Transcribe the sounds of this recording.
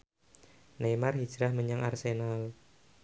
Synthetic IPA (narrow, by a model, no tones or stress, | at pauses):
nemarhi̥d͡ʒɾahməɲaŋʔarsenal